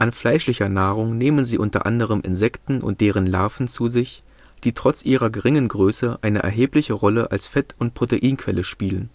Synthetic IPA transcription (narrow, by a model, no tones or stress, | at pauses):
ʔanflaɪʃlɪçɐnaːʁʊŋneːmənziːʔʊntɐ̰ʔa̰ndəʁəmʔɪ̰nzɛktn̩ʊ̰nt̚d̥eːʁ̞ənla̰ɐfn̩t͡suːzɪç | d̥iːtʁ̥ɔt͡sʔiːʁɐɡəʁɪŋənɡʁøːsəʔaɪnə̰ʔɛ̰ɐɦeːplɪçəʁɔləʔa̰lsfɛtʰʊnt̚pʁ̥oteʔiːnkʰv̥ɛləʃpiːlən